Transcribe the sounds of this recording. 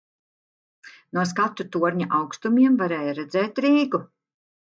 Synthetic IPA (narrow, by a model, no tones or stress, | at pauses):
nuɔs̬kat̪ːut̪uɔɾɲaʔawkst̪umiɛmvaɾɛːjaɾɛd̪zɛːt̪ɾiːɡu